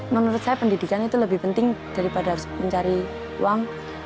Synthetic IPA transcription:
mənuɾʊt̪̚sajapəndidikanit̪uləbɪhpənt̪ɪŋd̥aɾipadasməɲt͡ʃaɾi | ṵwaŋ

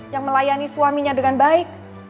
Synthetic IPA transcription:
jaŋməlajaniswamiɲadəŋanbaɪk̚

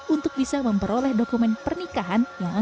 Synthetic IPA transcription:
unt̪ʊk̚bisaməmpəɾolɛhdokumɛnpərnikaɦanja

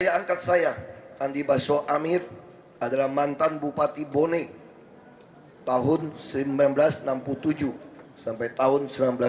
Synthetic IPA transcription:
jaːŋkat̪̚sajaandibasoʔamɪr | adalahmant̪anbupat̪ibone | t̪aɦʊnsəlibamblasənampult̪ud͡ʒusampajt̪aɦʊnsəmnambla

